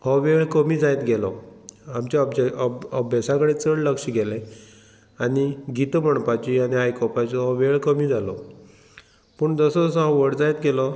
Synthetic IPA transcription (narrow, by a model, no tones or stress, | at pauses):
hɔʋeɭkəmiːd͡zajt̪ɡɛlɔamt͡ɕabəbʱjasãkəɽet͡səɽləkʂiɡɛlẽ | aniɡit̪məɳpat͡ɕianiɦajkɔpat͡ɕiɦɔʋeɭkəmiːd͡zʱalɔ | pəɳd͡zəsɔd͡zsɔɦãʋəɽd͡zajt̪ɡɛlɔ